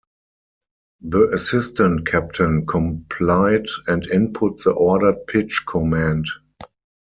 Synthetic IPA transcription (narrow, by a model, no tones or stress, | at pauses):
ðəʔəsɪstə̃ntkʰæp̚tʰə̃nkʰɔ̃mpʰlaɪdɛ̃ndɪ̃npʰʊtðəʔɔdət̚pʰɪt͡ʃkʰɔmæ̃nd